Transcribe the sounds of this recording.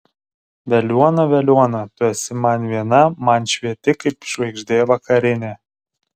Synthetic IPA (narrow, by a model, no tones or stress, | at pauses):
ʋʲɛlʲuɔnɐʋʲɛlʲuɔnɐt̪ʊɛsʲɪmɐnʲʋʲiɛnɐmɐnʲʃʲʋʲiɛt̪ʲɪkɐɪpʃʋɐɪɡʒʲd̪ʲeːjɔʋɐkɐɾʲɪnʲeː